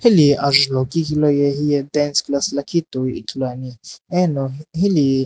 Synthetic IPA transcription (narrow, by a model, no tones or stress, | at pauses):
hiliaʒlokikilojehiɛd̪ɛnsklaslakit̪ujḭkʰloaniɛnohili